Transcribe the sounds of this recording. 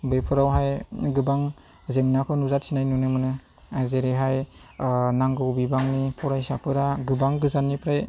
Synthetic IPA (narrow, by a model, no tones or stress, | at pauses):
bɯjpʰɯɾawɦajɡɯbaŋ | zeŋnakʰɯnuzat̚sʰinajnunɯmɯnɯ | ajzeɾeɦaj | naŋɡɯwbibaŋnipʰɔɾajsapʰɯɾaɡɯbaŋɡɯzanːipʰɾaj